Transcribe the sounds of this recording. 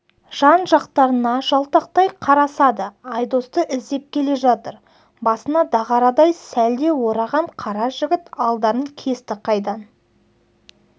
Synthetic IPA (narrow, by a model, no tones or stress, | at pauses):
ʒ̥ɑnʒɑqt̪ɑɾənɑʒɑlˠt̪ɑq̚t̪ɑjqʰɑɾɑsɑd̪əɑjd̪o̞st̪əʔɪzd̪e̞p̚kʲʰe̞le̞ʒɑt̪əɾ | bɑsənɑd̪ɑʁɑɾɑd̪ɑjsæld̪e̞wo̞ɾɑʁɑɴqʰɑɾɑʒɪɡʲɪt̪ɑlˠd̪ɑɾəŋkʲʰe̞st̪ɪqʰɑjd̪ɑn